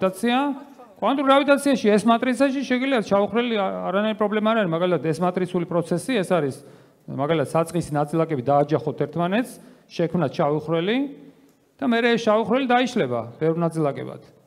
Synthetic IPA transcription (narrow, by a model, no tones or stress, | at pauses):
t̪ʼat̪sʰia | kʼwant̪ʼuɾavit̪ʼat̪sʰiaʃiɛsmat̪ʼɾit̪sʰaʃiʃɛɡiliat̪ʰʃʰaviχɾwɛliaɾanaiɾipʼɾɔblɛmaːɾaɾimaɡalit̪ʰat̪ʰɛsmat̪ʼɾit̪sʰulipʼɾɔt̪sʰɛsiɛsaɾis | maɡalit̪ʰat̪sat̪sʼqʼisinat̪sʼilˠakʼɛbid̪aːd͡ʒaχɔt̪ʰɛɾt̪ʰmanɛt̪s | ʃɛkʰmnat̪ʃʰaviχɾɛli | d̪̥amɛɾɛːsʃaviχɾwɛlid̪aiʃlɛba̰b̥ɛvɾnat̪sʼilˠakʼɛ̰ba̰t̪ʰ